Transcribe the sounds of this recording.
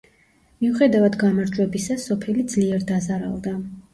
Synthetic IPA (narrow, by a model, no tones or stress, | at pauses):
miuχɛd̪avad̪ɡamaɾd͡ʒwɛbisasɔpʰɛlid̪zliɛɾd̪azaɾa̰lˠd̪a